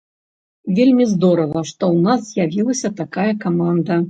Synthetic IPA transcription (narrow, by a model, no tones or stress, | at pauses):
vʲelʲmʲizd̪ɔɾɐvɐʂt̪ɔwnaszjavʲilˠɐsʲɐt̪akajɐkamand̪ɐ